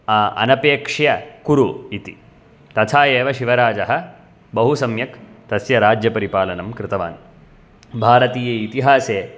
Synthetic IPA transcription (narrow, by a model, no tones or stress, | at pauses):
aːʔɐ̰nɐpeːkʂjɐkuɾuit̪ḭ | t̪ɐt̪ʰaːjeːʋɐʃiʋɐɾaːd͡ʒɐɦɐ̆ | bɐɦusɐmjɐkt̪ɐsjɐɾaːd͡ʒjɐpɐɾipaːlɐnɐmkɾɪt̪ɐʋa̰ːn | bʱaːɾɐt̪iːjeːit̪iɦaːseː